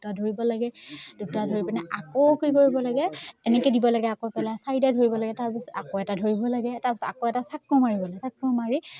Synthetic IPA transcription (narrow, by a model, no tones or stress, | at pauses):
utadʱoɹibɔlaɡɛd̥utadʱoɹipanɛʔakokoikoɹibɔlaɡɛɛnɛkɛdibɔlaɡɛakopɛlasajidadʱoɹibɔlaɡɛtaɹpisɔ̥takoɛtadʱoɹibɔlaɡɛtaɹpisɔtakoɛtasakːomaɹibɔlaɡɛsakːomaɹi